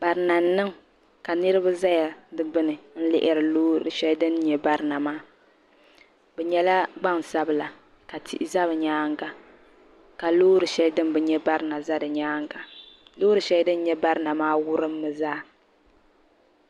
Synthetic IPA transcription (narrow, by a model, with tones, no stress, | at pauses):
ba˨ɾɨ˨na˨n˦nːɨ˦ŋ | ka˨nɨ˦ɾɨ˦ba˦za˦ja˨dɨ˦bɨ˦nɨ˨n̩˦lɪ̰˦ʔɪ˦ɾɨ˨loː˦ɾɨ̰˨ʃɛ˦ldɨ˦nɲɛ˨ba˦ɾɨ˨na˨maː˦ | bɛ˨ɲɛ˦la˦ɡ͡ba˦ŋsa˦bɨ˨la˨ | ka˨tʰḭ˦ʔza˦βɨ˨ɲaː˦ŋɡa˨ | ka˨loː˦ɾɨ˨ʃɛ˦ldɨ˦m˦bɛ˨ɲɛ˦ba˦ɾɨ˨na˨za˦dɨ˨ɲaː˦ŋ˦ɡa˨loː˦ɾɨ˨ʃɛ˦ldɨ˦n˦ɲɛ˦ba˦ɾɨ˦na˨maː˦wʊ˦ɾɨ˦mː˦ɨ˨zaː˦